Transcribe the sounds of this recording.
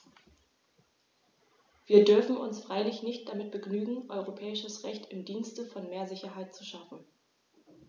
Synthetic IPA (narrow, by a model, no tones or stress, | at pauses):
v̥iːɐdʏɐfn̩ʊ̰nsfʁ̥aɪlɪçnɪçt̚d̥amɪt̚b̥əɡnyːɡŋ̩ʔɔʏʁ̞opʰɛːɪʃəsʁɛçtɪmdiːnstəfɔnmeːɐzɪçɐɦaɪtt͡suʃafn̩